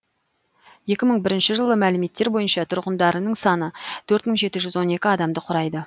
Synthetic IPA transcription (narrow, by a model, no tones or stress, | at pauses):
je̞kʲɪməɴbɪɾɪnʃɪʒəlˠəmælɪme̞t̪ːe̞ɾbo̞jənʃɑt̪ʰʊɾʁənd̪ɑɾənəɴsɑnət̪ʰɵɾt̪məɴʒe̞t̪ɪʒʏzwo̞ne̞kʲɪɑd̪ɑmd̪əqʰʊɾɑjd̪ə